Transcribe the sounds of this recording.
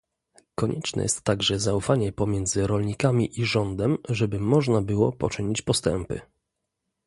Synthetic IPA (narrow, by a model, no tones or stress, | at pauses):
kɔɲʔɛt͡ʂnɛ̰jɛ̰st̪ːaɡʐɛzaufaɲɛpɔmʲjɛnd̪zɘɾɔlɲikamʲiʔiʐɔnd̪ɛmʐɛbɘmɔʐnabɘwɔ̰pɔt͡ʂɘɲit͡ɕpɔst̪ɛ̰mpɘ̰